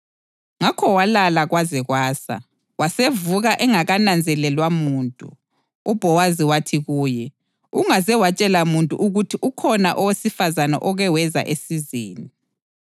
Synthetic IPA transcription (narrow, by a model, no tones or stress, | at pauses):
ŋakʰɔwalalaɣwazɛɣwaːsa̰ | wasevuɣaʔɛŋaɣanand͡zʱɛlɛlwamuːntʼṵ | ub̥ʱɔwaziwatʰiɣuːjɛ | uŋazɛwat͡ʃʼɛlamuntʼṵʔuɣutʰiʔukʰɔnaʔɔwesifazana̰ʔɔɣɛwɛza̰ʔesizeːni